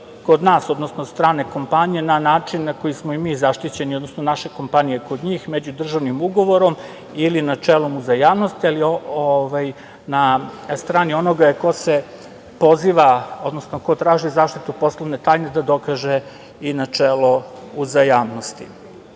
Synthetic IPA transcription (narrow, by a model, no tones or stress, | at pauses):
ko̞d̪naːso̞d̪nosnosst̪ɾaːne̞ko̞mpaɲije̞nanaːt͡ʂinːako̞jismoimiːzaʃt̪it͡ɕe̞nio̞d̪nosno̞naʃe̞ko̞mpanije̞ko̞d̪ɲiːxmed͡ʑud̪r̩ʒaʋnimuɡo̞ʋo̞ɾo̞m | ilinat͡ʂeːlo̞muzajaːʋnost̪ialiooʋaj | nast̪ɾaːnio̞no̞ɡako̞se | po̞ziːʋao̞d̪no̞sno̞ko̞t̪ɾaːʒizaːʃt̪it̪upo̞slˠoʋne̞t̪aːjned̪ad̪o̞kaʒe | inat͡ʂeːlo̞ | uzajaːʋno̞st̪ḭ